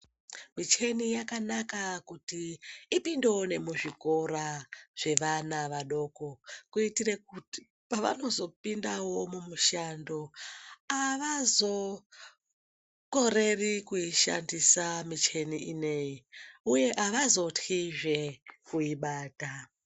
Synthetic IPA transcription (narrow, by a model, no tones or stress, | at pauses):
mit͡ʃe̞nijakanakakutiːpindeone̞muʐiko̞ɾaʐ̥e̞ʋanaʋaɗo̞ko̞kuitiɾek̚uti̥ | paʋa̰no̞zo̞pindawo̞mumuʃando̞aʋazo̞ | ko̞ɾe̞rikuiʃa̰ndisamit͡ʃe̞niʔine̞iuje̞ʔaʋazo̞tʰiʐe̞kuiɓaːta